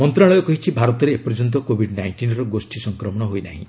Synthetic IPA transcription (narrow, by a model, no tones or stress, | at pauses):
mɔnt̪ɾaɭɔjɔkɔɦit͡ʃʰibʱaɾɔt̪ɔɾeːpɔɾd͡ʒɔnt̪̬ɔkobʱiɖnajɳʈinɾɔɡosʈisɔŋkɾɔmɔɽ̃ɔɦojna̰ɦḭ̃